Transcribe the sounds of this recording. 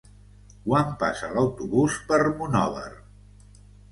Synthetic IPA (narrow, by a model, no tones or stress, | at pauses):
kwampa̰sələwt̪uβuspərmunɔ̰βə̰r